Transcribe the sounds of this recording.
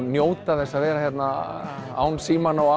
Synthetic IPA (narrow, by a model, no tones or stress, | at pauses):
mjoːwt̪aθɛsːaðvɛːɾaçjɛt̪na | a̰ːwnsiːmanawa